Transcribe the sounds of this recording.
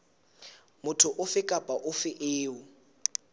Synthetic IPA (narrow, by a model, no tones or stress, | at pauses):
mʊtʰʊʔʊfɪkʼapʼaʔʊfɪʔɪːʊ